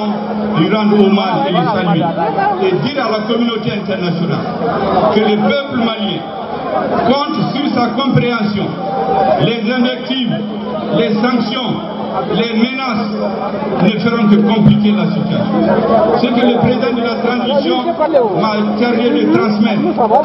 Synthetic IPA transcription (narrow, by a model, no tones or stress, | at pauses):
ɔ̃ | dyɾãd̪omalelesalɥied̪iɾalakɔmynot̪eɛ̃nt̪ɛʁnasjona̰lkələpøpləmaljɛ̰̃ | kɔ̃t̪syɾsakɔ̃pɾeãsjɔ̃ | lezɛ̃vɛk̚t̪ivl | lesãŋksjɔ̃ | lemenas | nefeɾɔ̃d̪əkɔ̃mplikelasit̪yasjɔ̰̃sekəlepɾezid̪ɑ̃d̪əlat̪ɾãzisjɔ̃mat̪eʁjɛd̪ət̪ɾɑ̃smɛt̪